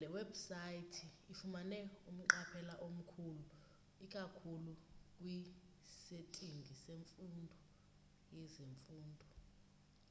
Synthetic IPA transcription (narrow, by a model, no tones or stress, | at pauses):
lɛwɛbusajitʰiːfumanɛum̩ǃapʰɛlaʔom̩kʰulu | ikʼakʰulukʼwi | setʼiŋɡʱiseɱfundʱɔ | jɛzeɱfuːndʱɔ